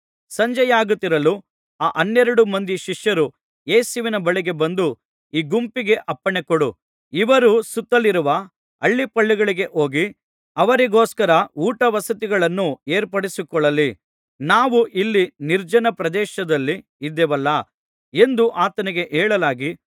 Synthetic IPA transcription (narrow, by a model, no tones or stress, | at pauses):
sɐɲd͡ʒɐjaːɡut̪ːiɾɐlu | aːʔɐnːɛɾɐɽumɐnd̪iʃiʂjɐɾu | eːsuʋinɐbɐɭiɡe̞bɐnd̪u | iːɡumpiɡe̞ʔɐpːɐɳekɔɽu | iʋɐɾusut̪ːɐliɾuʋɐ | ɐɭːipɐɭːiɡɐɭiɡe̞ʔo̞ːɡi | ɐʋɐɾiɡo̞ːskɐɾɐuːʈɐʋɐsɐt̪iɡɐɭɐnːue̞ːɾpɐɽisikɔɭːɐlːi | naːʋuʔilːiniɾd͡ʒɐnɐpɾɐd̪ɛːʃɐd̪ɐlːiːd̪ːɛʋɐlːɐ | e̞nd̪uʔaːt̪ɐniɡe̞ʔeːɭɐlaːɡi